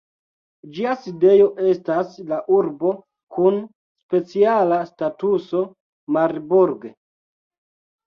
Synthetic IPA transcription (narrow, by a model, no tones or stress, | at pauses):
d͡ʒiaside̞jo̞ʔe̞staslaʔuɾbo̞ | kun | spe̞t͡sialastatuso̞ | maɾbuɾɡ